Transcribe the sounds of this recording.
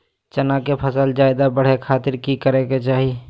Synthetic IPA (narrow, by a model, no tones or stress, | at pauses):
t͡ʃənakepʰəsəld͡ʒaːɪd̪abəɽ̤ekʰaːt̪ɪɾkikəɾeket͡ʃaːɦi